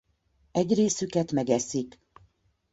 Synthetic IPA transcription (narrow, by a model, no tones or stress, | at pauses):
ɛɟreːsykɛt̪mɛɡɛsik